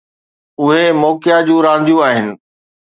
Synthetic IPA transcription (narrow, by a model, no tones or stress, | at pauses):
ʊɦemɔːkɪjad͡ʑũːɾãːnd̪ʱjũaːɦɪnɪ̆